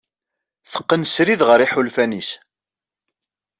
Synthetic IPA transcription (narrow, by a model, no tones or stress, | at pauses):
θə̥qːənsɾiðʁəɾiħulfænis